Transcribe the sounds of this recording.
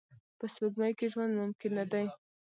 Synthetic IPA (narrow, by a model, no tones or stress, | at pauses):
pəswʊɡmajkeʒwand̪mʊmkɪnːad̪aj